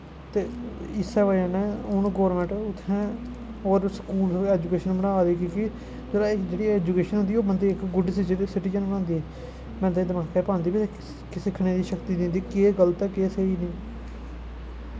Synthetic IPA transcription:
t̪eːɪsɛːʋəãːnẽːʊnɡoːɾmɛ̃ːɳʈʊt̪ʰːɛ̃ː | oːɾskuːlɛːd͡ʒukeːʃənməɽaːd̪iːkĩːkɪ | d͡ʒeːɾaɪd͡ʒeːɽiːɛːd͡ʒukeːʃənɦʊ̃nd̪iːoːbənd̪iːɪkɡʊɖiːsɪd͡ʒsɪʈiːd͡ʒənənãːnd̪iːɛː | mɛ̃ːd̪eiːd̪əmaːkʰɛːpãːnd̪iːbi | kɪsɪkʰːɳ̃ẽːd̪iːʃəkt̪iːd̪ɪ̃nd̪iːkeːɡəlt̪ɛkeːseiːniː

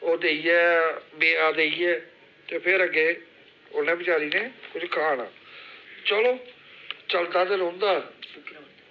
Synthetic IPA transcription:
oːd̪eːiɛːbeːaːd̪eːiːɛː | t̪eːpʰɪɾəɡeː | onẽːbɪt͡ʃaːɾiːneːkʊd͡ʒkʰaːna̰ː | t͡ʃəloː | t͡ʃəld̪aːt̪eɾõːnd̪aː

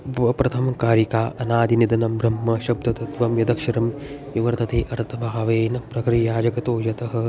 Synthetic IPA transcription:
ʋɐpɾɐt̪ʰɐmɐkaːɾikaːʔɐnaːd̪ʱinid̪ɐnɐmbɾɐmːɐʃɐb̚d̪ɐt̪ɐt̪ʋɐmjɐd̪ɐkʃɐɾɐmʋiʋɐɾt̪ʰɐt̪eːʔɐɾt̪ʰɐbʱaːʋeːnɐpɾɐkɾijaːd͡ʒɐkɐt̪oːjɐt̪ɐɦɐ̆

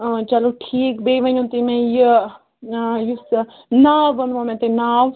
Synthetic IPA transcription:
t͡ʃɐloʈʰiːkbeːʋɐnũnt̪imɛ̃j | jus | naːʋɐnʋãmɛ̃t̪enaːʋ

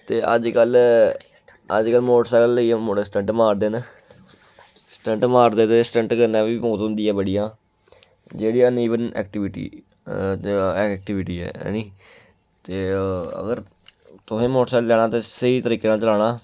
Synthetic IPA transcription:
t̪eːʔə̰d͡ʒkəl | ə̰d͡ʒkəlmoːʈsɛːlːəimoːʈːsʈəɳʈmaːɾd̪eːn | sʈə̃ɳʈmaːɾd̪eːt̪eːsʈə̃ɳʈkəɾnaːʋiːmoːt̪ʊ̃nd̪iːɛːbəɽijãː | d͡ʒeːɽiãːniːʋənɛ̰ːk̚ʈɪʋɪʈḭː | ɛːk̚ʈɪʋɪʈiːɛ̰ːniː | t̪eːə̰ɡəɾ | t̪ʊɦẽːmoːʈsɛːllɛːɽ̃ãːt̪eːsəiːt̪əɾiːkeːnãːt͡ʃəlaːɽãː

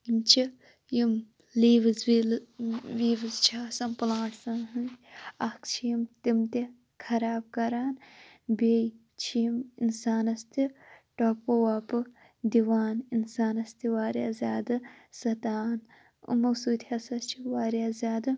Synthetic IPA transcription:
imt͡ʃʰi | jim | liːʋɨzʋilʋiːʋɨzt͡ʃʰaːsɐmplãːʈʰsanɦɨɐkt͡ʃʰijimt̪imt̪i | kʰɐɾaːb̚kɐɾaːn | beːj | t͡ʃʰijiminsaːnɐst̪iʈoːpowaːpɨ | d̪iʋaːninsaːnɐst̪iʋaːɾjaːzʲaːd̪ɨsɐt̪aːn | ṵmɐwsuːt̪ʰɐsɐst͡ʃʰiʋaːɾjaːzʲaːd̪ɨ

